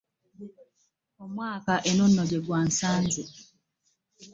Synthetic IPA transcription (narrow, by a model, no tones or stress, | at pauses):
omwaːkaʔenunːɔɟeɡwan̩sanzɪ